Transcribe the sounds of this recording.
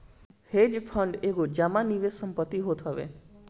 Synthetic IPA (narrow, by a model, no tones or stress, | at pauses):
hed͡ʒpʰɔɳɖeɡod͡ʒamaniʋesəmpət̪ːiɦot̪ʰɦɔʋḛ